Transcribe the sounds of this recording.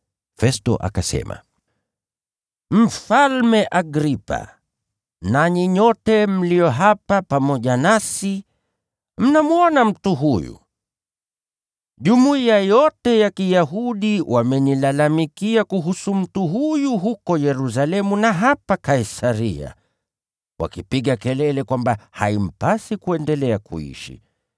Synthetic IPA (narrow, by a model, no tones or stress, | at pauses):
fɛstɔ̰ʔa̰kasɛ̰ma̰ | m̩falmɛʔaɡɾipa̰ | naɲiɲɔtɛm̩lijɔɦapapamɔʄanasi | m̩namuɔnam̩tuɦujṵ | ʄumuiajɔtɛjakijaɦuɗiwʔamɛnilalamikiakuɦusum̩tuɦujuɦukɔjɛɾus̬alɛmunaɦapakaisaɾḭa̰ | wa̰kipiɠakɛlɛlɛkwambaha̰im̩pasikuɛndɛlɛakṵḭʃḭ